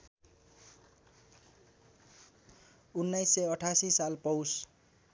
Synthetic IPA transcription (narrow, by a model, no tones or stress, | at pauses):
unːajsːʌʌʈʰasisalpʌws